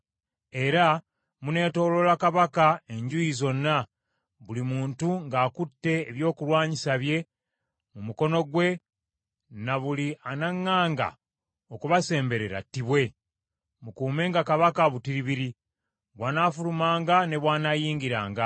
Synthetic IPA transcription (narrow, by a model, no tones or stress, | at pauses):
e̞ɾa | mune̞ːto̞ːlo̞lakaβakae̞ɲɟujizo̞nːa | βulimuːntuŋɡaːkutːe̞ːβjo̞ːkuɾwaːɲisaβje̞ | mumuko̞no̞ɡwe̞ | naβulianaŋːaːŋɡa̰ | o̞kuβase̞ːmbe̞ɾe̞ɾa̰tːiβwe̞ | mukuːme̞ːŋɡakaβakaβutiɾiβiɾi | βwaːnafulumaːŋɡane̞βwaːnajiːŋɡiɾaːŋɡa